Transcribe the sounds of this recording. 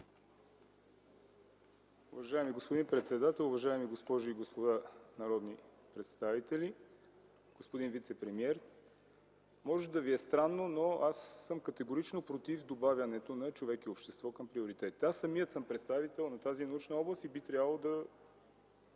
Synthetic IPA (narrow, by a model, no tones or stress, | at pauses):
ʊvɐʒaɛmiɡospod̪inpɾɛt̪sɛd̪at̪ɛlˠʊvɐʒaɛmiɡospɔʒʊiɡospod̪anɐɾɔd̪ni | pɾɛt̪st̪avit̪ɛli | ɡ̥ospod̪invit̪sɛpɾɛmiɛɾ | mɔʒɛd̪ɐviɛst̪ɾanːonoasːɤmkət̪ɛɡoɾit͡ʃnopɾot̪ivd̪obavʲjɐnɛt̪onɐt͡ʃovɛkiopʃt̪ɛst̪vɔkɐmpɾioɾit̪ɛt̪i̥t̪ɛasːɐmiət̪səmpɾɛt̪st̪avit̪ɛlˠnɐt̪azinɐut͡ʃnɐɔblˠəst̪ibit̪ɾʲavəlˠod̪ɐ